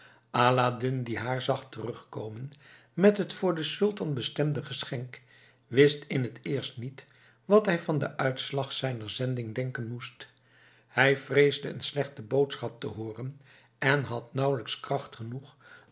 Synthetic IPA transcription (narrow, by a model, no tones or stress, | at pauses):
ʔaːladɪndiɦaːɹzɑχtərɵχkowmən | mɛtɦətfʊːɹdəsɵlˠtɑnbəstɛmdəχəsχɛŋk | ʋɪstɪnɦətɪːɹstnit | ʋɑtɦɛjvɑndə̰ʔœɥtslɑχsɛjnəɹzɛndɪŋdɛŋkənmust | hɛjvrejzdəə̰nslɛχtəbowtsχɑp̚tə̰ɦoːrən | ɛnɦɑtnɑwləkskrɑχtχənuχ